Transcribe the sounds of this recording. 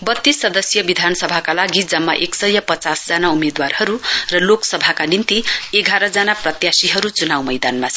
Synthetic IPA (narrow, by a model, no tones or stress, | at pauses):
bʌt̪ːisːʌd̪ʌsjʌbid̪ʱanʌsʌbʱakalaɡid͡zʌmːa̰ʔeksʌjʌpʌt͡sasd͡zanaumed̪warhʌɾurʌloksʌbʱakanint̪ieɡʱaɾʌd͡zanaprʌt̪jasiɦʌɾut͡sunawmʌjd̪anmasʰ